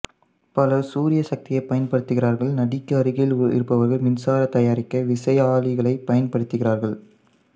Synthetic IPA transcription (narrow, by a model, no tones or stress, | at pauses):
pɐlɐsuːɾɪjɐsɐk̚t̪ɪjɐɪpːɐjɐnpɐɽɯt̪ːɯɣɪɾaːɾɣɐɭnɐɽɪkːaːɾɪɣɐɭɪlɪ̰ɾɯpːɐʋɐɾɣɐɭmɪnsaːɾɐt̪ɐjaːɾɪkːɐʋɪsɐjaːlɪɣɐɭɐɪpɐjɐnpɐɽɯt̪ːɯɣɪraːɾɣɐɭ